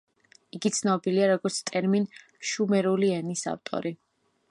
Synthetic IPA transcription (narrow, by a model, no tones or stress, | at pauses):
iɡit̪sʰnɔbiliaɾɔɡɔɾt̪sʰt̪ʼɛɾmin | ʃumɛɾuliɛnisa̰ft̪ʼɔ̰ɾi